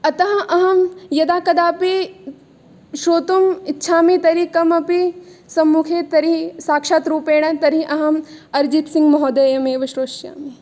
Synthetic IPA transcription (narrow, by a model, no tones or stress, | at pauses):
ɐt̪ɐɦɐ̃ʔɐɦɐmjɐd̪aːkɐd̪aːpi | ʃoːt̪umitːʃʰaːmit̪ɐɾikɐmɐpisɐmːukʰeːt̪ɐɾisaːkʃaːt̪ɾuːpeːɽ̃ɐt̪ɐɾiʔɐɦɐmɐɾd͡ʒit̪siŋɡmɐɦɔːd̪ɐjɐmeːʋɐʃɾoːʃja̰ːmi